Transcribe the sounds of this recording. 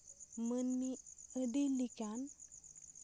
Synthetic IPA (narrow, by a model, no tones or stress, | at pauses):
mənmiədilikan